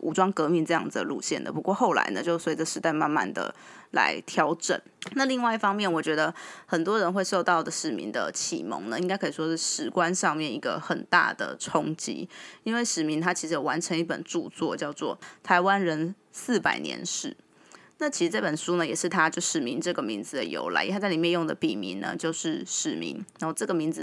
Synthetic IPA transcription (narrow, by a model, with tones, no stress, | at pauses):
ʔṵ˧˩ʈ͡ʂwɑ˥ŋkɤ˧˥mi˧nʈ͡ʂɤ˧jɑ̰˥˩ŋd͡zd̪ə˩lṵ˥˧ɕjɛ̰˥˩nd̪ə̰˨˩pu˧˥kwɔ˥˧xo˥˩ʊla̰˧˥ɪnə̰˧t͡ɕjo˥˧ʊswe˧˥ɪʈ͡ʂə˨ʂɻ̩˥˧ta˥˧ɪma˥˧nma̰˥˨nd̪ə̰˩la̰˧˥ɪt̪ʰjɑ˧˥ʊʈ͡ʂə̰˨˩˦nna˥˧li˥˧ŋwa˥˧ɪi˥˩fɑ˥ŋmjɛ˥˨˩nwɔ˨˩t͡ɕɥɛ˧˥d̪ə˧xə˨˩nt̪wɔ˥ɻə˧˥nxwe˥˧ɪʂo˥˧ʊt̪ɑ˥˩ʊd̪ə˩ʂɻ̩˨˩mḭ˧˥nd̪ə̰˨t͡ɕʰḭ˨˩mo̰˧˥ŋnə˧˦i˥ŋka˥ɪkʰɤ˧˥i˨˩ʂwɔ˥ʂɻ̩˥˩ʂɻ̩˨˩kwa˦˥nʂɑ˥˧ŋmjɛ˥˩ni˧˥ɡə̰˧xə˨˩nt̪a̰˥˩d̪ə̰˩ʈ͡ʂʰo˦ŋt͡ɕḭ˧˥i˥nwe˥˩ɪʂɻ̩˨˩mi˧˦ŋt̪ʰa˥t͡ɕʰi˧˥ʂɻ̩˧jwa˧˥nʈ͡ʂʰə˧˥ŋi˥˩pə̰˨˩nʈ͡ʂu˥˧t͡swɔ̰˥˧t͡ɕjɑ˥˧ʊt͡swɔ̰˥˨t̪ʰa˧˥ɪwa˦˥nɻə˧˥n | sɹ̩˥˩pa̰˨˩ɪnjɛ̰˧˥nʂɻ̩˥˩ | na˥˩t͡ɕʰi˧˥ʂɻ̩˧ʈ͡ʂɤ˥˩pə˨˩nʂu˥nə˨jɛ˨˩ʂɻ̩˥˩t̪ʰa˦t͡ɕjo˥˩ʊʂɻ̩˨˩mi˧˥nʈ͡ʂɤ˥˩ɡə˩mi˧˥nd͡zɹ̩˨d̪ə̰˨jo̰˧˥ʊla̰˧˥ɪ˥˧a˥t͡sa˥˩i˨˩mjɛ˥˧njo˥˩ŋd̪ə̰˩pi˨˩mḭ˧˥nnə̰˧t͡ɕjo˥˧ʊʂɻ̩˥˧ʂɻ̩˨˩mḭ˧˥ŋ˦˥˧ʈ͡ʂɤ˥˩ɡə˩mi˧˥nd͡zɹ̩˨